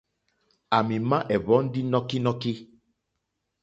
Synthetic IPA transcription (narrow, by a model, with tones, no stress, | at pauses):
a˨mĩ˨mã˦ʔɛ˨βɔ˦n̩˦di˦nɔ̃˦ki˦nɔ̃˦ki˦